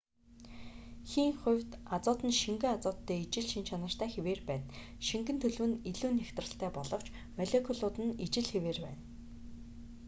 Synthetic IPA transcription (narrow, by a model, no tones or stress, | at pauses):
xiːŋχʊ̟wʲt̪at͡sʊːt̪ə̆nʃiŋɡɘ̆ŋat͡sʊːt̪ʰːeːit͡ɕɪ̆ɮʃint͡ɕʰanə̆r̥t̪æːxeweːrpæːn | ʃiŋɡɘ̆nt̪ʰɵɮwɘ̆niɮuːnːext̪rə̆ɬt̪ʰæːpɔɮɞ̆w̥t͡ɕ | maɮekʰɔɮʊt̪ɘ̆nit͡ɕɪ̆ɮxeweːrpæ̰ːn